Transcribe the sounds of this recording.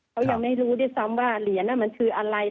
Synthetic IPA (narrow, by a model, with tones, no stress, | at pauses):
kʰa˦˥wja˧ŋma˥˩jɾuː˦˥du˥˩əjsa˦˥mwaː˥˩li˩˦ənːa˥˩ma˧nkʰɯː˧ʔa˧ɾa˧j